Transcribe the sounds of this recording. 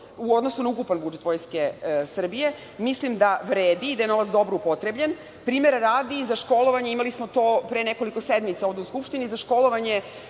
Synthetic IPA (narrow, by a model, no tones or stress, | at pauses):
uod̪nosunaukupanbud͡ʒet̪ʋo̞ːjske̞sr̩bije̞ | mislimd̪aʋɾeːd̪iːd̪aje̞no̞ʋat̪sd̪o̞bɾoupot̪ɾebʎen | pɾiːmeɾaɾaːd̪iːzaʃko̞lo̞ʋaɲeimalismot̪oːpɾeneko̞likosed̪mit̪sao̞ʋd̪euskupʃt̪inizaʃko̞lˠo̞ʋaɲe̞